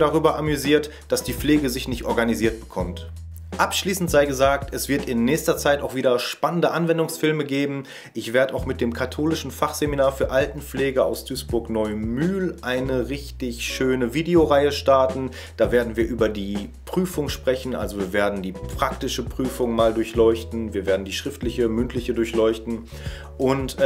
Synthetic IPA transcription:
daʁyːbɐʔamyziːɐt | d̥asd̥iːp͡fleːɡəzɪçnɪçtʔɔɐɡaniziːɐt̚b̥ə̥kʰɔmt | ʔapʃliːsn̩tz̥aɪɡəzaːktɛsv̥ɪɐtɪnːɛːçstɐt͡saɪtʔaʊxv̥iːdɐʃpanəndəʔanvɛndʊŋsfɪlməɡeːbm̩ | ʔɪçv̥eːɐdəʔaʊxmɪt̚d̥eːmkʰatʰoːlɪʃn̩faχz̥eminaːɐfyːɐʔaltn̩p͡fleːɡəʔa̰ʊsd̥yːsb̥ʊɐknɔʏmyːlʔaɪnəʁɪçtɪçʃøːnəviːdeoʁaɪəʃtaɐtn̩ | d̥aːveːɐdn̩viːɐʔyːbɐdiːpʁ̥yːfʊŋʃpʁ̥ɛçn̩ʔa̰lzoviːɐveːɐdn̩diːpʁ̥ak̚tɪʃəpʁ̥yːfʊŋmaːldʊɐçlɔʏçtn̩viːɐveːɐdn̩diːʃʁ̥ɪftlɪçəmʏntʰlɪçədʊɐçlɔʏçtn̩ | ʔʊnt

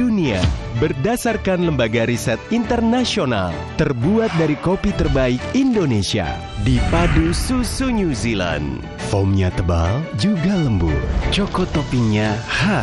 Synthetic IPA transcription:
unia̰bərdasarkanləmbaɡaɾisɛt̪̚int̪ərnasiona̰l | t̪ərbuat̪̚daɾikopit̪ərbaikindonesia̰ | dipadususuɲuzila̰n | fɔmɲat̪əba̰ld͡ʒuɡaləmbṵt͡ʃɔkɔt̪opiɲaha

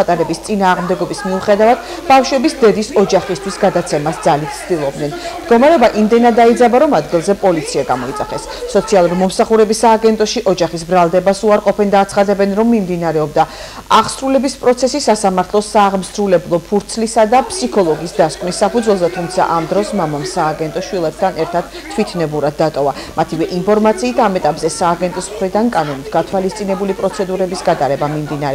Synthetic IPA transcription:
at̪ʼaɾɛbist̪sʼinaːʁmd̪ɛɡɔbismiuχɛd̪avad̪̥ | bafʃwɛbisd̪ɛd̪isɔd͡ʒaχist̪ʰwisɡad̪at̪sʰɛmasd̪zalit̪̚ʰt̪sʰd̪ilˠɔb̚d̪nɛnmd̪ɡɔmaɾɛɔbaʔimd̪ɛnad̪aid̪zabaɾɔmad̪ɡilˠzɛpʼɔlit̪sʰiaɡamɔit̪sʼaχɛsːɔt̪sʰialˠuɾimɔmsaχuɾɛbisːaːɡɛnt̪ʼɔʃiʔɔd͡ʒaχis̬bɾalˠd̪ɛbasuaɾqʼɔpʰɛnd̪aːt̪sʰχad̪ɛbɛnɾɔmːimd̪inaɾɛɔbd̪a | aʁsɾulɛbispʼɾɔt̪sʰɛsisasamaɾt̪ʰlˠɔsaːʁmsɾulɛblˠɔpʰuɾt̪sʰlisad̪apʼsikʰɔlˠɔɡisd̪askʼvnisːapud̪zwɛlˠzɛt̪ʰumt̪sʰa̰ʔamd̪ɾɔsmamamsaːɡɛnt̪ʼɔʃwilˠɛp̚t̪ʰanɛɾt̪ʰad̪̥ | t̪ʰwit̪ʰnɛbuɾad̪ːat̪ʼɔva | mat̪ʰivɛʔinpʰɔɾmat̪sʰiːt̪ʰamɛt̪ʼapʼzɛsaːɡɛnt̪ʼɔsmχɾid̪ankʼanɔnit̪ʰɡat̪ʰwalist̪sʼinɛbulipʼɾɔt̪sʰɛd̪uɾɛbisɡat̪ʼaɾɛbamimd̪inaɾɛ

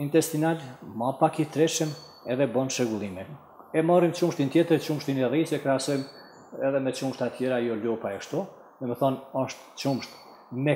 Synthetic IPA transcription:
int̪ɛst̪inalmapakit̪ɾɛʃəm | ɛðɛbɔnʃɛɡulˠimɛ | ɛmɔrimt͡ʃumʃt̪int̪jɛt̪əɾt͡ʃumʃt̪inɛrisɛkɾɛasɔjm | ɛðɛmɛt͡ʃumʃt̪at̪jɛɾajɔlupaɛkʃt̪u | ðɛmɛθɔnɔʃt̪t͡ʃumʃt̪ | mɛ

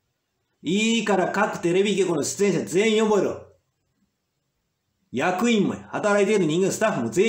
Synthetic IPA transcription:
ikaɾakakɯ̟̥t̪eɾebikekonoɕi̥t͡sẽnɕ̬azeĩjoboeɾo | jakɯimːoehat̪aɾait̪eɾɯɲʲĩŋɡesɨ̥t̪aɸɯmoze

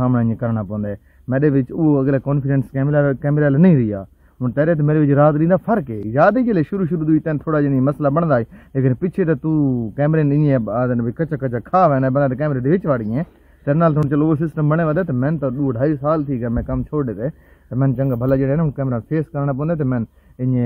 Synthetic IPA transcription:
aːmnaːiẽkəɾɳaːpɔ̃ːnd̪aː | mɛ̃ːɗeːʋɪt͡ʃoːəɡleːkɔːnpʰɪɖɛnskɛːmɾaːkɛːmɾaːlːnəĩːɾɪja̰ː | ɦʊːnt̪ɛːɾeːt̪emeːɾeːʋɪt͡ʃɾaːt̪ɾĩːnd̪aːpʰəɾkeːjaːd̪iːd͡ʒeːleːʃʊɾuːʃ̬ʊɾuːd̪uit̪ɛ̃ːnt̪ʰoːɽaːd͡ʒɪnːməslaːbəɳd̪aːɦeːleːkɪnpɪt͡ʃʰeːt̪aːt̪ũːkɛːmɾeːnɪẽaːd̪nikət͡ʃʰaːkət͡ʃʰaːkʰaːʋɛ̃ːnabənd̪ːt̪eːkɛːmɾeːd̪eːʋɪt͡ʃʋaːɽɪjɛ̃ː | t̪enaːlt̪ʰoʊnːt͡ʃəlosɪsʈəmbəɽ̃eːʋəːd̪eːt̪eːmɛ̃ːnt̪aːɗuːɖʱaːiːsaːlt̪ʰiːkaːmɛ̃ːkəmt͡ʃʰoːeːt̪eː | t̪emɛ̃nt͡ʃəŋɡaːbʱəlaːd͡ʒeːeːnɦʊnkɛːmɾaːpʰeːskəɾnaːp̬ɔ̃ːnd̪eːt̪eːmɛ̃n | ɪɲẽː

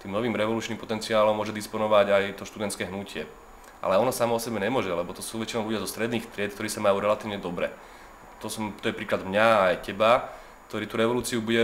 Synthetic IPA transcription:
t̪iːmnɔʋiːmɾɛʋɔluːt͡ʃniːmpɔt̪ɛnt͡siaːlɔmːʊɔʒɛd̪ispɔnɔʋaɟajt̪ɔʃt̪ud̪ɛnskɛːɦnucɪɛ | ʔa̰lɛɔnɔsamɔɔsɛbɛɲɛmʊɔʒɛlɛbɔt̪ɔsuːʋɛt͡ʃinɔʊluɟɪazɔst̪ɾɛd̪niːxft̪ɾɪɛt̪kt̪ɔɾiːsamajuːɾɛlat̪iːʋɲɛd̪ɔbɾɛ̰ | t̪ɔsɔmt̪ɔjɛpɾiːklad̪mɲaːjcɛba | k̚t̪ɔɾiːt̪uɾɛʋɔluːt͡siubuɟɛ

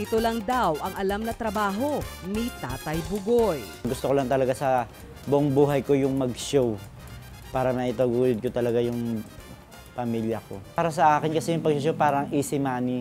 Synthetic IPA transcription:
ʔɪt̪olɐŋd̪awʔɐŋɐlamnɐt̪ɾɐbaːɦo̞nit̪aːt̪ɐjbʊɡojɡʊst̪okolɐŋt̪ɐlɐɡasɐ | bʊʔoŋbuːɦɐjko̞jʊŋmɐɡʃow | paːɾɐmɐʔɪt̪ɐɡuːjod̪̚kot̪ɐlɐɡajʊŋ | pɐmiljɐkoaːɾɐsɐʔaːkɪnkɐsɛjʊŋpɐɡ̚ʃoʃ̬owpaːɾɐŋʔɪsɪmaːni

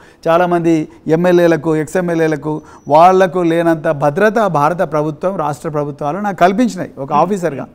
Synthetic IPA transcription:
t͡ʃaːlaːmɐnd̪i | emːeljeːlɐkueksemːeljeːlɐku | ʋaːɭːɐkuleːnɐnt̪ɐbʱɐd̪ɾɐt̪ɐbʱaːɾɐt̪̬ɐpɾɐbʱut̪ʋɐmɾa̰ːʂʈɾɐp̬ɾɐbʱut̪ʋaːloːnaːkːkɐlip̬iɲt͡ʃina̰ːjiɔkɐaːpʰiːs̬ɐɾɡa̰ː

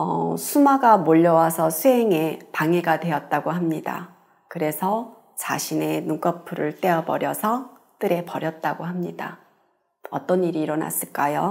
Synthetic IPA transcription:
ʌ̰sʰumaɡamoʎːʌwasʰʌsʰuɦe̞ŋe̞paŋe̞ɡadwe̞ʌt̚t͈aɡoɦamɲida̰ | kɯɾe̞sʰʌ | t͡ɕa̰ɕʰine̞nuk͈ʌpʰuɾɯɭt͈e̞ʌbʌɾjʌsʰʌ | t͈ɯɾe̞pʌɾjʌt̚t͈aɡoɦamɲida̰ | ʌt͈ʌniɾiːɾʌna̰s͈ɯɭk͈ajo

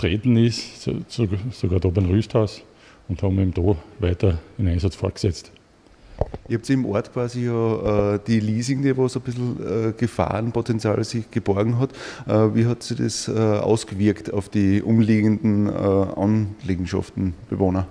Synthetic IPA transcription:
t̪ʁeːt̪n̩ɪssosoɡaːdopɛnʁyːsthaʊs | ʊnthɑm̩emd̥oʋæɪtɐdenæ̃ɪnsɑt͡sfɔɐtɡ̥sɛt͡st | ʔɪhɑpsiɪmʔo̰ɐtkʰv̥aːzijɑːəːd̥iliːzɪŋd̥evosobɪsl̩əɡ̥əfa̰ːnpʰotɛnt͡sja̰ːlsɪçɡ̥əb̥ɔɐɡŋ̩ɦɑtʔəːviːɦɑtsidḛsəʔa̰ʊsɡ̥əvɪɐkta̰ʊfd̥iʔʊmliːɡəndn̩ə̰ʔɑ̰nleːɡŋ̩ʃɑ̰ftn̩b̥evoːnɐ

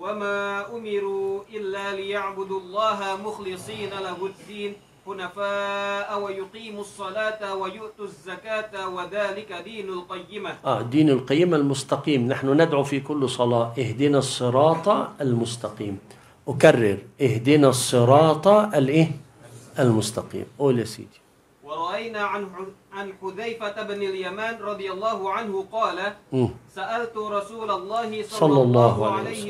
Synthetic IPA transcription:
wamaːʔʊmɪɾuːʔɪlːaːlɪjaʕbʊd̪lˤːɑːɦamʊxlɨsˤiːnalahʊd̪ːiːn | ħʊnafaːʔawajʊqiːmɑsˤːɑlɑːt̪wajʊʔt̪zːakaːt̪waðaːlɪkad̪iːnalqɑjːɪmaʔaːd̪iːnɪlqɑjːɪmalmʊst̪ɑqiːmnaħnʊnɪd̪ʕufikʊlːsˤɑlɑːʔɪhd̪ɪnasˤːɨɾˤɑːt̪ˤɑalmʊst̪ɑqiːm | ʔkarːɪɾʔɪhd̪ɪnasˤːɨɾˤɑːt̪ˤɑʔalʔeː | ʔalmʊst̪ɑqḭːmʔoːljasḭːt̪i̥ | wɑɾˤɑʔajnaːʕ | ʕanħʊðajfabnɪljamaːnɾˤɑd̪ˤɨjalˤːɑːhʊʕanhʊqɑːlaʔmːsaʔalt̪ɾˤɑsuːlalˤːɑːhɪsˤsˤɑlːɑlˤːɑːhʕala

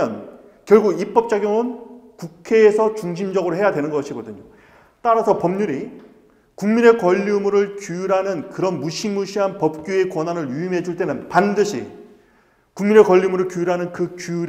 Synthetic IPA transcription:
ʌn | kjʌɭɡuɡip͈ʌp̚t͡ɕ͈aɡjoŋɯnkukʰe̞ːsʰʌt͡ɕuŋɕʰimd͡ʑʌɡɯɾoɦe̞jadwe̞nɯnɡʌɕʰiɡʌdɯɲo | t͈aɾasʰʌpʌmɲuɾi | kuŋmine̞kwʌʎːimuɾɯɭkjujuɾɦanɯnkɯɾʌnmuɕʰimuɕʰiɦanpʌp̚k͈jue̞kwʌnɦanɯɭjuimɦe̞d͡ʑuɭt͈e̞nɯnpandɯɕʰḭ | kuŋmine̞kʌʎːimuɾɯɭkjujuɾɦanɯnkɯkujɾ

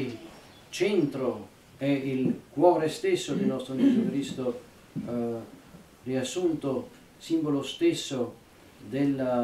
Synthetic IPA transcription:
t͡ʃɛnt̪ɾo | ɛilkwɔːɾest̪esːod̪enɔst̪ɾod͡ʒezukɾist̪o | riasːunt̪o | simbolost̪esːo | d̪el

